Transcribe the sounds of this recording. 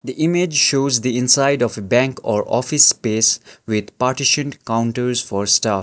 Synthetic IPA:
d̪iʔɪmed͡ʒʃoːzd̪iɪ̃nsaɪɖɔfebæ̃ŋkɔ̰ːɾʔɔ̰fɪspeːsʋɪd̪paːɾʈɪʃə̃nʈkãʊ̃ɳʈəɾzfɔːɾsʈaf

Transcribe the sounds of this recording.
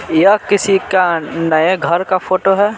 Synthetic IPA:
jakɪsikanəeɡʱəɾkapʰoːʈoɦɛː

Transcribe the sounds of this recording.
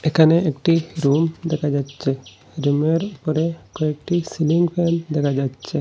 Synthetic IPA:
ekʰaneekʈiɾumd̪ɛkʰad͡ʒatːt͡ʃʰe | ɾumeɾupɔɾekoek̚ʈisiliŋɡpʰend̪ɛkʰad͡ʒatːt͡ʃʰe

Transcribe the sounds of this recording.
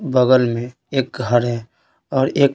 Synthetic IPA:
bəɡəlmẽ | eːk̚ɡʱəɾɦɛ | ɔːɾeːk

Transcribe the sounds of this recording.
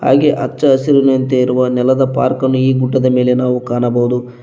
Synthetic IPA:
ha̰ːɡeʔɐ̰t͡ʃːt͡ʃːɐːsiɾunɐnt̪eiɾuʋɐnɛlɐd̪ɐpa̰ːɾkɐnːuiːɡuɖːɐd̪ɐme̞ːle̞naːʋukaːnɐbɐwud̪u

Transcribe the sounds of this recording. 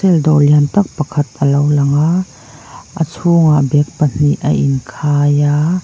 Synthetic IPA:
ɛld̪ɔliant̪ɐk̚pɐkʰɐt̪̚əlɐwlɐŋaʔ | ʔət͡sʰuːŋaʔbɛk̚pɐn̥iʔə̰ʔinkʰaːja

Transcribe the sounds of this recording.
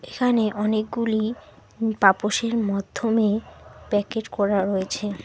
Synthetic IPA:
ekʰaneʔɔnek̚ɡuli | papoʃeɾmad̪ʱːomepɛkeʈkɔɾaɾoet͡ɕʰe

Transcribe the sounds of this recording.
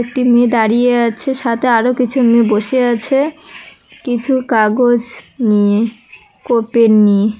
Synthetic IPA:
ek̚ʈimed̪aɾijeat͡ɕʰeʃat̪ʰeaɾokit͡ɕʰumeboʃeat͡ɕʰe | kit͡ɕʰukaɡod͡ʑnie | kopenie

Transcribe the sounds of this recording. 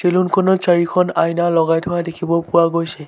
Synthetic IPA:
selunkʰɔnɔt͡ʃaɹikʰɔnajnalɔɡajtʰɔadekʰibɔpʊwaɡojsɛ

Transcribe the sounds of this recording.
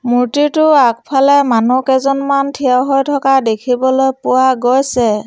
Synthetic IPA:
muɹtitʊak̚pʰalɛmanukɛzɔnmantʰijawɦojtʰɔkadekʰibɔlojpʊwaɡojsɛ

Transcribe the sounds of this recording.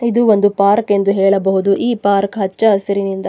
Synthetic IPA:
id̪uo̞nd̪upaːɾke̞nd̪uɦɛːɭɐbɐɦud̪uʔiːpaːɾkɦɐt͡ʃːɐɐsɐɾinind̪ɐ

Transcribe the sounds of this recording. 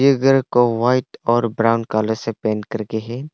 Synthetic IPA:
jəɡəɾkoʋaːɪʈɔːɾbɾaːʊnkaːləɾsepɛ̃ːnkɐɾkeɦɛ̃ː

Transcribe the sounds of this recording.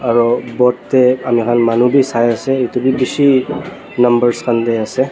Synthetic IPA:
aɹɔbɔt̪eamikʰanmanubʱisajasɛet̪ubʱibisi | nɐmbəɹskand̪easɛ

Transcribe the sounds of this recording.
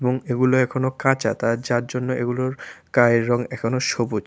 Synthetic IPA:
eboŋeɡuloɛkʰonokãt͡ɕat̪aɾd͡ʑaɾd͡ʑonːoʔeɡuloɾkaeɾɔŋɛkʰonoʃobu

